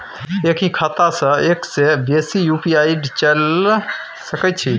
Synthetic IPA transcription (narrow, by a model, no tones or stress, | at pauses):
ekʰikʰat̪asə̃eksebesijupiaiɖt͡ʃəl | səkɛt͡ʃʰi